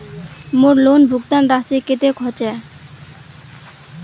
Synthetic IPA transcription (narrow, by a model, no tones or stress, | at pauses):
moɾlonbʱukt̪anɾast̪iket̪ekʰɔt͡ɕɛ